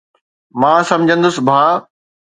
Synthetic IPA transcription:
mãːsɐ̃md͡ʑʱə̃nd̪ʊsbʱaː

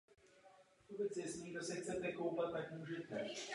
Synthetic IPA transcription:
t̪ubɛt͡sjɛsniːɡdosɛxt͡sɛt̪ɛkowpat̪̚t̪ːakmuːʒɛt̪ɛ

